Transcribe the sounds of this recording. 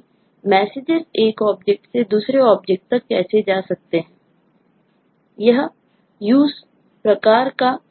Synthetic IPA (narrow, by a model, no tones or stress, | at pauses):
mɛːsɪd͡ʒəɾeːkɔːp̚d͡ʒek̚ʈsed̪uːsɾeɔːb̚d͡ʒek̚ʈ̚t̪ɐkːɛːsed͡ʒaːsɐk̚t̪eɦɛ̃ː | jəɦ | juːs | pɾəkaːɾka